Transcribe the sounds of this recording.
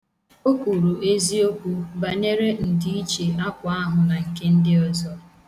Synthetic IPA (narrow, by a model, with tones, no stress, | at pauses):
o˦kʷu˨ɾu˨ʔe˦zi˦o˦kʷu˦ba˨ne˦ɾe˦n̩˨di˦i˦t͡ʃe˨a˦kʷʊ˨a˦ɦʊ˨na˨ŋ̩˨ke˦n̩˦dɪ˦ɔ˦zɔ˦